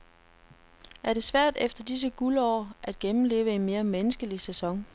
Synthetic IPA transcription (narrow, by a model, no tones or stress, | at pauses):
æɐɾe̝sʋæɐ̰d̥efd̥ɐd̥is̬əɡ̥ulɒ̰ːʔæd̥̚ɡ̥emm̩le̝̰ːʊəe̝nme̝ːɐmenəsɡ̥əlisæsɒ̽ŋ